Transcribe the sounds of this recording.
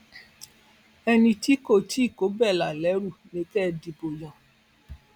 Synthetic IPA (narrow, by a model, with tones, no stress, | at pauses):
ɛ˧nĩ˧ti˦ko˦˨tʰi˦˨ko˨˦bɛ˦˨la˨lɛ˨˦ɾu˦˨nĩ˧˦kɛ˦˨di˧bo˨jɔ̃˨